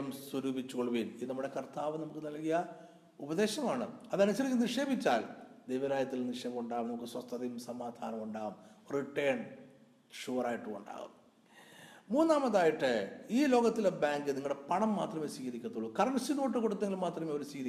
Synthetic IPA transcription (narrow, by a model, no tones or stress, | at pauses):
ɐmswɐɾuːbit͡ɕːuɣɐɭuʋiːninɐmːuɽe̞kɐrt̪aːʋɨnɐmukːɨnɐlkijɐ | ubɐðe̞ːɕɐmaːɳɨɐðɐnut͡ɕːɐɾikʲːuniʂe̞ːbit͡ɕːaːld̪ejʋɐɾaːjɐt̪ːilniʂeːbɐmuɳɖaːɣumnɐmukːɨswɐst̪ːɐðɐjumsɐmaːd̪ʱaːnɐmuɳɖaːɣumriʈːejɳ | ʂuːraːjiʈːɨɣuɳɖa̰ːɣṵm | muːnːaːmɐðaːjiʈːɨiːlo̞ːɣɐt̪ːilebaːŋɡɨniŋːɐɭɽepɐɳɐmːaːt̪rɐme̞siːɣɐɾikʲːɐt̪ːuɭːukɐrɐɳsinoːʈːɨkoɽut̪ːeŋilmaːt̪rɐmeːoɾusiːɣɐɾi